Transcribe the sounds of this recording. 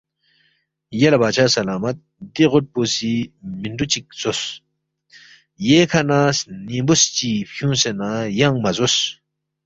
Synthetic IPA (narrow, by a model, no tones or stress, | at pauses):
jalabaːt͡ɕʰasalaːmɐt̪̚ | d̪iʁot̚posiːmiɳɖ͡ʐut͡ɕik̚z̥os | jeːkʰanasnimbust͡ɕiːɕuŋsenajaŋmazos